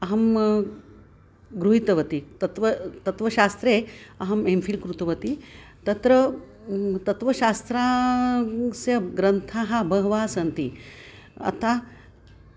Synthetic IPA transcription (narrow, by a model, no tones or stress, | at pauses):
ɐɦɐm | ɡɾuɦit̪ɐʋɐt̪it̪ɐt̪ʋɐt̪ɐt̪ʋɐʃaːst̪ɾeːɐɦɐmemfʰilkɾut̪ɐʋɐt̪i | t̪ɐt̪ɾɐ | t̪ɐt̪ʋɐʃaːst̪ɾaː | sjɐɡɾɐnt̪ʰaːɦɐbʱɐɦɐʋaːsɐnt̪i | ɐ̰t̪ʰa